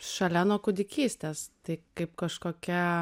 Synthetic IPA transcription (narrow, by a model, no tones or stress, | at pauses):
ʃɐlʲɛnoːkʊd̪ʲɪkʲiːsʲt̪ʲeːst̪ɐɪkɐɪp̚kɐʃkoːkʲɛ